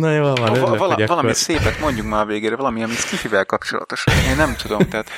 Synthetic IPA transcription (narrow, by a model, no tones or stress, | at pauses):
nojoːvvɒlɒvɒlɒmiseːpɛt̪mo̞ɲɟukmaːɾveːɡeːɾɛvɒlɒmiɒmit̪skifivɛlkɒpt͡ʃolɒ̰t̪o̞ʃɒneːnːɛmt̪ud̪o̞t̪ɛɦːt̪